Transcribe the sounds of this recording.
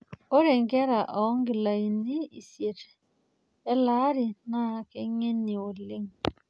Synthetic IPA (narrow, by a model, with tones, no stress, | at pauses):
o˦ɾe˨ŋɡɛ˦ɾa˨ʔɔ˨˦ŋɡɪ˨la˨i˨ni˦i˨sje˨te̥˨ | ɛ˦la˦ɾi˨na˦ke˦ŋe˦ni˨o˨le˦ŋ